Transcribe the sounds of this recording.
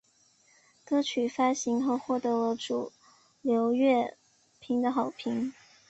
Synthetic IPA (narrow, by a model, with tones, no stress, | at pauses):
kɤ˥t͡ɕʰy˨˩fa˥ɕi˧˥ŋxo˥˧ʊxwɔ˥˩t̪ɤ˧˥lə˧˦ʈ͡ʂu˨˩ | ljo˧˥ʊɥɛ˥˩ | pʰi˧˥ŋd̪ə˧xɑ˨˩ʊpʰi˧˥ŋ